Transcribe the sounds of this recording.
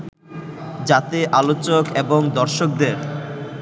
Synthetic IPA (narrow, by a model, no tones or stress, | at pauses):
d͡ʑat̪eʔalot͡ɕokeboŋd̪ɔɾʃok̚d̪eɾ